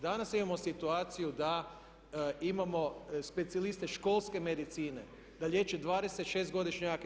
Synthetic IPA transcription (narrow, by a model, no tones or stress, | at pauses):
d̪anasimamosit̪uaːt̪sijud̪a | imamo̞spe̞t̪sialist̪eʃko̞lˠske̞med̪it̪siːne | d̪aʎʲje̞ːt͡ʃed̪ʋaːd̪e̞set̪ʃeːst̪ɡo̞d̪iʃɲak